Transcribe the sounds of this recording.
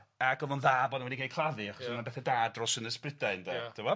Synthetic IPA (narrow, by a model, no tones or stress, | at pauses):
aɡɔvɔnðaːbɔnənwɛdikʰajkʰlˠaðɨaχɔsnabɛθɛdaːdrɔsənəsprɪdaɪndɛtʰɪwɔ